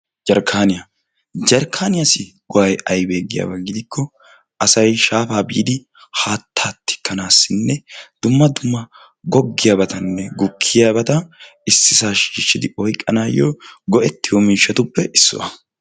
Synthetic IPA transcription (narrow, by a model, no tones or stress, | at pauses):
d͡ʒɐɾkʰːaːnɪja | d͡ʒɐɾkʰːaːnɪjasɪɡ̥ɔwɐjɐjbe̞ːɡːɪja̰ːbɐɡɪd̪ɪkʰːɔ | ɐsɐjʃaːfaːbiːd̪ɪ | haːt̪ʰːaːt̪ʰːɪ̥kːɐnaːsːɪnːɛd̪̥ʊmːɐd̪ʊmːɐ | ɡɔɡːɪjaːbɐt̪ɐnːɛɡʊkʰːɪjaːbɐt̪ɐ | ɪsːɪsaːʃiːʃːɪd̪ɪɔjkʼːɐnaːjːɔɡɔʔɛt̪ːɪjɔmɪːʃɐt̪ʊpːɛʔɪsːʊ̰ʔɐ